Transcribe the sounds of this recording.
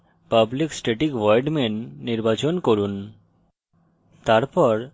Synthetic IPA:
pabliksʈeʈikʋɔjɖmenːiɾbat͡ɕonkoɾun | t̪aɾpɔɾ

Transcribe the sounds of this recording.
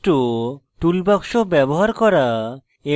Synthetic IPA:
ʈoʈulbakʃobɛbɔɦaɾkɔɾa | e

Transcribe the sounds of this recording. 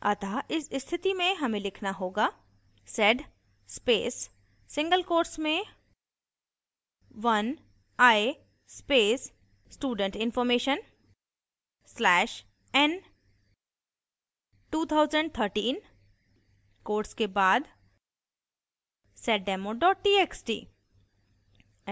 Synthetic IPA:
ɐt̪ʰaʔɪsɪst̪ʰɪt̪imẽɦɐmẽlɪkʰnaɦoːɡaː | sɛɖ | speːsː | ɪ̃ŋɡəlkoːɾʈsmẽ | ʋɐn | aːe | speːsː | ʈuːɖə̃ɳʈɪ̃nfɔːɾmeːʃən | slɛːʃ | ɛn | ʈuːt̪ʰaʊzəɳɖt̪ʰəɾʈĩːn | koːɾʈskebaːd̪ | sɛʈ̚ɖɛmoɖɔːʈ̚ʈiːeksʈḭː

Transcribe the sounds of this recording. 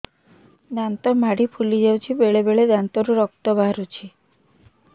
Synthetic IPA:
d̪ant̪ɔmaɽipʰulid͡ʒewt͡ʃʰibeɭebeɭed̪ant̪ɔɾuɾɔk̚t̪ɔbʱaɾut͡ʃʰi

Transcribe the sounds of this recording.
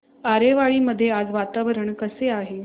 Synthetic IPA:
aɾeʋaɭiːməd̪ʱːjead͡zʋat̪aʋəɾəɳkəseaɦe

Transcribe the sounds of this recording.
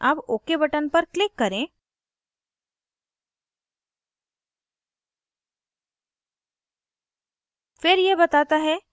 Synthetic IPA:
aboːkebɐʈənpɐɾklɪkːɐɾẽː | fɪɾjebɐt̪aːt̪aɦɛ

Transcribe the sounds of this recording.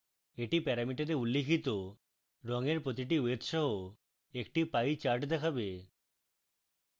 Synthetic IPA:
eʈipɛɾamiʈaɾeulːekʰit̪o | ɾɔŋeɾpɾot̪iʈ̬iwet̪ʃɔɦo | ek̚ʈipajt͡ɕaɾʈd̪ɛkʰabe

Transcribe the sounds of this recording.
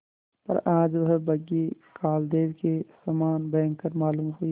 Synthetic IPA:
pɐ̰ɾãːd͡ʒʋɐɦɛbɐɡi | kʰaːld̪eːwkesɐmaːnbẽːŋkkɐɾmaːluːmɦui

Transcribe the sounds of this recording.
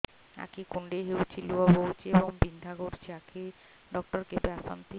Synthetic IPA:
a̰kikuɳɖeɦewt͡ɕʰiluabout͡ɕieboŋbind̪ʱaɡoɾt͡ɕʰiakʰi | ɖɔk̚ʈɔɾkepeasa̰nt̪i

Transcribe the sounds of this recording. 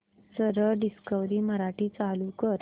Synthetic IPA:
səɾəɖiskəʋɾiːməɾaʈiːt͡salukəɾ

